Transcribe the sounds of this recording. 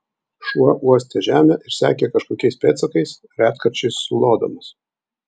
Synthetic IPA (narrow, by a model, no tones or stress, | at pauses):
ʃuɔʔuɔsʲt̪ʲɛʒʲæːmʲɛʔɪɾsʲæ̰ːkʲekɐʃkoːkʲɛɪspʲeːt̪sɐkɐɪs | ɾʲæːt̪kɐɾʲt͡ʃʲɛɪsːʊlˠoːd̪o̰mɐs